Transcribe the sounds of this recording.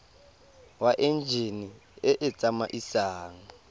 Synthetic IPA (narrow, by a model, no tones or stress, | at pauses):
waʔɛnd͡ʒʱeniɛʔɛt͡sʼamaʔisaːŋ̩